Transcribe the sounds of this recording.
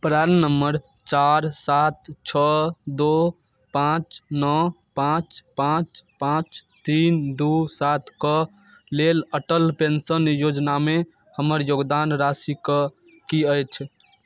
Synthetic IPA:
pɾaɾnəmːəɾ | t͡ʃaɾsat̪t͡ʃʰəd̪o | pãt͡ʃnɔ | pãt͡ʃpãt͡ʃpãt͡ʃt̪ind̪usat̪ʰkə | leləʈəlpensənjod͡ʒname | həməɾjoɡd̪anɾasikə | kiəjt͡ʃʰ

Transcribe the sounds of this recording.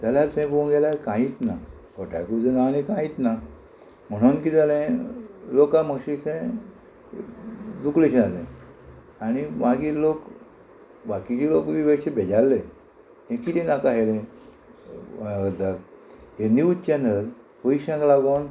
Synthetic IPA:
t̪aljasɛ̃põɡelakãjit̪na | koʈa̰jkud͡zənanikãjit̪na | m̤əɽ̃onkid͡zalẽlokãməɡɕisẽ | d̪uklet͡ɕnalḛ̃ | añimaɡiːlok | bakit͡ɕilokʋiʋeɕebed͡ʑalːe | ẽkit̪ĩnakaɦelẽ | ɡət̪akɦeniutt͡ɕenəl | poiɕãŋkɡlaɡon

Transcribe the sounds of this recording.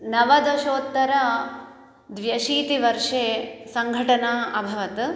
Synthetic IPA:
nɐʋɐd̪ɐʃoːt̪ːɐɾɐ | d̪ʋjɐʃiːt̪iʋɐɾʂeːsɐŋɡʱɐʈɐnaːɐbʱɐʋɐt̪

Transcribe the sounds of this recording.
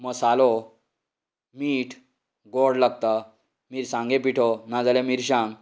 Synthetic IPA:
məsalo | miːʈʰ | ɡoɽlaɡ̚t̪ə | miːɾsãŋɡẽpiʈʰɔnad͡zalemiɾɕãŋɡ

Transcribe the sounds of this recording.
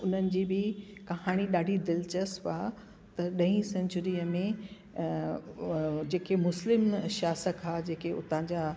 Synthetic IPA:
ʊnənɪ̆d͡ʑiːbɪkɐɦaːɽ̃iɗaːɖʱid̪ɪlt͡ɕəsʋaː | t̪ɐɗɐ̃ĩsɐ̃ɲt͡ɕʊɾiːəmẽ | d͡ʑeːkemʊslɪmʃjaːsəkaːd͡ʑeːkeʊ̰t̪ãːd͡ʑaː

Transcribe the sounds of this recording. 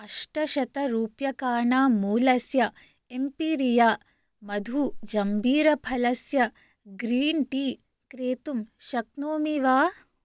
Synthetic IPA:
ɐʂʈɐʃɐt̪ɐɾuːpjɐkaːɳaːmuːlɐsjɐ | empiːɾijaː | mɐd̪ʱud͡ʒɐmbʱiːɾɐpʰɐlɐsjɐ | ɡɾiːɳʈiː | kɾeːt̪umʃɐk̚noːmiʋaː

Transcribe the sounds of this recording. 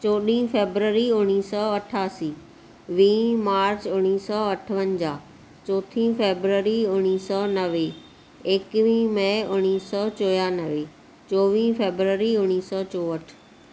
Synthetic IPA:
t͡ɕoːɗĩːfeːbɾəɾiʊñiːsɔɐʈʰaːsiː | ʋĩːmaːɾt͡ɕʊñiːsɔɐʈʰəʋənd͡ʑaː | t͡ɕɔːt̪ʰĩːfeːbɾəɾiʊñiːsɔnɐʋe | eːkʋĩːmə̃ʊñiːsɔt͡ɕoːjaːnɐʋe | t͡ɕoːʋĩːfeːbɾəɾiʊñiːsɔt͡ɕoːəʈʰ

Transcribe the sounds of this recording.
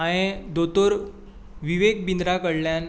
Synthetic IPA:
ãẽd̪ot̪oɾ | ʋiʋek̚bind̪ɾakəɽljan

